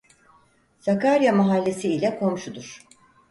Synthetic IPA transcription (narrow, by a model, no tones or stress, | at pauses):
sakaɾjamaɦalʲːe̞siilʲɛkʰo̞mʃud̪uɾ̥